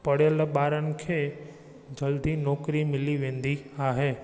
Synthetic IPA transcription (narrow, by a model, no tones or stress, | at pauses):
pɐɽjəlɓaːɾənɪ̆kʰeː | d͡ʑɐld̪inɔːkɾimɪliʋẽːn̆d̪iaːɦeː